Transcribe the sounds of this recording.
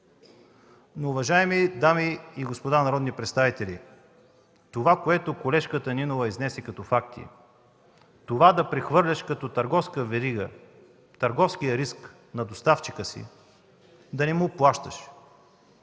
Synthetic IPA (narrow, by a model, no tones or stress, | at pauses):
noːvɐʒaɛmid̪amiːɡospod̪anɐɾɔd̪nipɾɛt̪st̪avit̪ɛlʲḭ | t̪ovakoɛt̪okolɛʃkət̪əninovɐiznɛsɛkɐt̪ɔfakt̪ḭ | t̪ovad̪ɐpɾɛxvɤɾlʲɐʃkɐt̪ɔt̪ɐɾɡɔfskəvɛɾiɡə | t̪ɐɾɡɔfskijəɾisk | nɐd̪ost̪aft͡ʃikəsḭ | d̪ɐnɛmuplˠaʃt̪əʃ